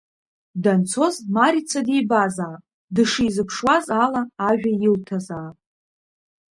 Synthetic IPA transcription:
dant͡sʰo̞zmaɾit͡sʷʰadijbazaː | dɨʂɨjzɨpʰʂwazalaːʒᶣajɪltʰazaː

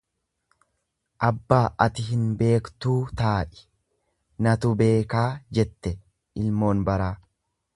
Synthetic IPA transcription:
ʔɐbːaːʔɐt̪ɪɪnbe̞ːkt̪uːt̪aːʔɪ̥ | nɐt̪ʊbe̞ːkaːd͡ʒɛt̪ːɛ | ʔɪlmo̞ːnbɐɾaː

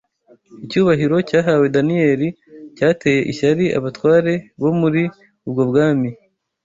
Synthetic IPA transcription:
icuːβaɦiɾo̞caːɦaːwe̞danije̞ɾi | caːte̞ːje̞ʔiʃaɾiʔa̰βatwaːɾe̞βo̞muɾi | ub̚ɡo̞bɡaːmi

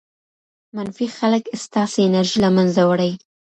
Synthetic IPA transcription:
manfixaləkst̪ɑseɪnaɾʒilamanzawaɽaj

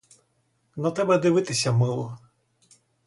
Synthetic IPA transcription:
nɔt̪ɛbɛd̪ɪʋɪt̪ɪsʲɐmɪlˠɔ

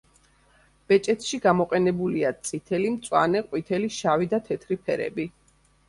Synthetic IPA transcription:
b̥ɛt͡ʃʼɛt̪ʰʃiɡamɔqʼɛnɛbuliat̪sʼit̪ʰɛlimt̪sʼwa̰nɛqʼwit̪ʰɛliʃavid̪at̪ʰɛt̪ʰɾipʰɛɾɛ̰bi

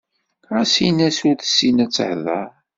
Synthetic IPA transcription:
æsinæsʊɾθə̥sːinæt͡sːəhðəɾ

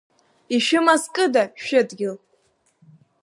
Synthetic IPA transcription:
iʃɪmaskʼɨdaʃᶣɪdɡʲɪl

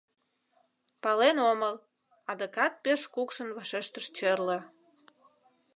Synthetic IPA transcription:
pɑlenoməl | ɑd̪əkɑt̪̚peʃkukʃənβɑʃeʃt̪əʃt͡ɕərlə

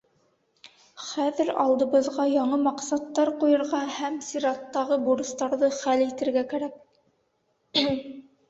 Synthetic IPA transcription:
χæðɘɾɑlˠd̪ɤ̆βɤ̆ðʁɑjɑɴɤmɑqsɑt̪ːɑɾqujɤ̆ɾʁɑhæmsʲiɾɑt̪ːɑʁɤbuɾɤ̆st̪ɑɾðɤχælit̪ɘ̆ɾɡækæɾæk̚

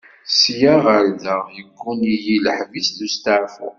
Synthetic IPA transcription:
sjaʁəɾdəʁjəɡʷːunijiləħvisðust̪əʕfʊ̰

